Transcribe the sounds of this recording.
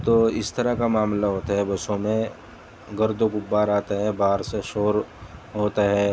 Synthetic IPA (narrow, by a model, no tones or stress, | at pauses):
t̪oːɪst̪ɐɾakamaːmlaɦoːt̪aɦɛbɐsõmẽ | ɡɐɾd̪õɡʊbːaːɾaːt̪aɦɛbaːɦəɾseʃoːɾɦoːt̪aɦɛː